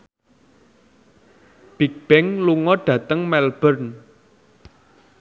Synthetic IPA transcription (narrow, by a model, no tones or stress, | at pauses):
b̥ik̚b̥ɛŋluŋɔɖ̥ä̤t̪əŋmɛlb̥ərn